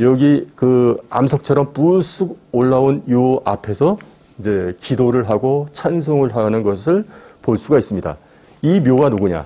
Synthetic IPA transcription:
jʌɡikɯa̰msʰʌk̚t͡ɕʰʌɾʌmpus͈ʰuɡ̚oɭːaonjoapʰe̞sʰʌ | ind͡ʑe̞kidoɾɯɭɦaɡot͡ɕʰansʰoŋɯɭɦanɯnɡʌsʰɯɭpoɭs͈uɡais͈ɯmɲida̰ | imjoɡanuɡuɲa̰

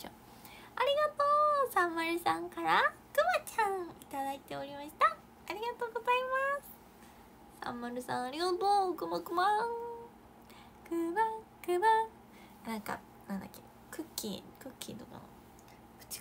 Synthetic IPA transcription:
o̰ | aɾʲiɡat̪oːsãmːaɾɯ̟sãŋkaɾa | kɯ̟bat͡ɕãit̪ad̪ait̪e̞oɾʲimaɕi̥t̪aː | ɾʲiɡat̪o̞ːɡo̞zaimasɨ̥ | sã̰mːaɾɯ̟sã̰ɰ̃aɾʲiɡat̪oːkɯ̟makɯma | kɯbakɯ̟ba | nãŋka̰ | nãnd̪akʲːe | kɯ̟kʲːḭkɯ̟kʲʰːḭt̪oko̰no | kɯ̟̥t͡ɕi̥

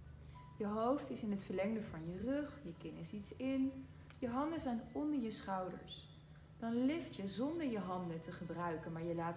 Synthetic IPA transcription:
jəɦowftɪsɪnɦətfəɹlɛŋdəvɑnjərɵχjəkɪnɪsitsɪn | jəɦɑndəzɛjnɔndəɹjəsχɑwdə̰ɹs | d̥ɑnlɪftjəzɔndəɹjəɦɑndətəχəbrœɥkənmaːɹjəlaːt

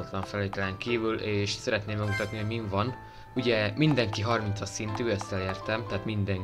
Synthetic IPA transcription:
ot̪lɒɱfɛlːeːt̪ɛlɛŋkiːvyleːʃsɛɾɛt̪neːmːɛɡmut̪ɒt̪niɦoɟmiɱvɒn | uɟɛmind̪ɛŋkiɦɒrmint̪sɒsint̪yːøst̪ɛleːrt̪ɛmt̪ɛɦaːt̪mind̪ɛŋ

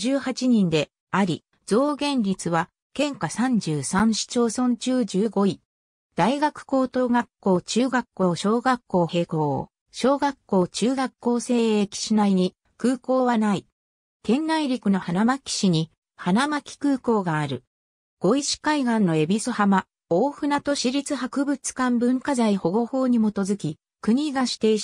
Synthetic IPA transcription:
d͡ʑɨːhat͡ɕiɲ̟ĩnd̪e̞ | aɾʲi | d͡zo̞ːɡẽ̞ɲɾʲit͡sɨβa | kẽ̞ŋkasãɲ̟d͡ʑɨːsãɰ̃ɕi̥t͡ɕo̞ːsõ̞ɲ̟t͡ɕɨːʑɨːɡo̞i | d̪̥aiɡakɯ̟̥ko̞ːt̪o̞ːɡakːo̞ːt͡ɕɨːɡakːo̞ːɕo̞ːɡakːo̞ːhe̞ːkoː | ɕo̞ːɡakːo̞ːt͡ɕɨːɡakːo̞ːse̞ːekʲi̥ɕinaiɲ̟i | kɯ̟ːko̞ːβanai | k̪ẽ̞nːaiɾʲikɯ̟no̞hanamakʲi̥ɕiɲ̟i | hanamakʲi̥kɯ̟ːko̞ːɡaːɾɯ̟̰ | ɡ̥o̞iɕi̥kaiɡãnːo̞e̞bʲisɨhama | o̞ːɸɯ̟nat̪o̞ɕiɾʲit͡sɨhakɯ̟bɯ̟t͡sɨ̥kãmbɯ̟̃ŋkazaiho̞ɡo̞ho̞ːɲ̟imo̞t̪o̞zɨkʲi | kɯ̟ɲ̟iɡaɕi̥t̪e

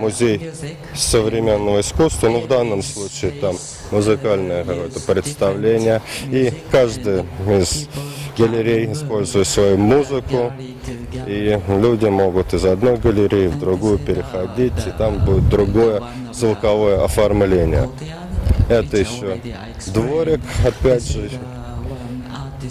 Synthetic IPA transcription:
mʊzʲej | səvɾʲɪmʲe̞nːəvəɪskust̪vənovd̪anːəmslˠut͡ɕɪɪt̪amː | ʊzɨkalʲnəjəkɐko̞jət̪əpɾʲɪt̪st̪ɐvlʲenʲɪjəikaʐd̪ɨjɪzɡəlʲɪɾʲejɪspo̞lʲzʊjɪt̪svɐjumuzɨkʊ | ilʲudʲɪmo̞ɡʊt̪ɪzɐd̪no̞jɡəlʲɪɾʲejɪvd̪ɾʊɡujʊpʲɪɾʲɪxɐdʲitʲɪt̪ambudʲɪt̪̚d̪ɾʊɡojə | zvɨkɐvo̞jəʔɐfɐrmlʲenʲɪ̰jə̰ | ɛt̪əjɪɕːo | d̪voɾʲɪkɐpʲædʲʐɨ

